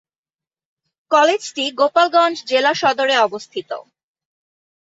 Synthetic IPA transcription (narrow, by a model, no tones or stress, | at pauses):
kɔled͡ʑʈiɡopalɡɔnd͡ʑd͡ʑelaʃɔd̪oɾeɔbost̪ʰit̪o̰